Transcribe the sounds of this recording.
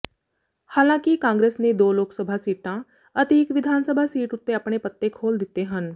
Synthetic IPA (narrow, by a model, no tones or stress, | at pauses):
haːlãːkikãːŋɡɾeːsned̪oːloːksəbʱasiːʈãː | ət̪eɪkʋɪd̪ʱaːnsəbʱasiːʈʊt̪ːeəpɽ̃epət̪ːekʰoːld̪ɪt̪ːeɦən